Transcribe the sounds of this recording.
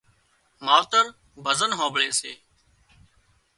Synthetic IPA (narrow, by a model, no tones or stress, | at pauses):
maːt̪əɾ | bʱəzənɦãːbɭeːseː